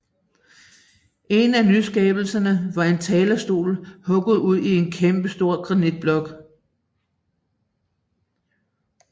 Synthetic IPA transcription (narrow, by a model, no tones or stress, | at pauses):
ʔe̝nænysɡ̥ɛːb̥l̩sɐnəʋɑ̈e̝nt͡sʰɛːlɐsd̥o̝̰ːlhɔ̽ɡ̥ð̞̩ˠuð̞̰ˠie̝nkʰemb̥əsd̥o̝ɐ̰ɡ̥ʁɑ̈nid̥̚b̥lɒ̽ɡ̥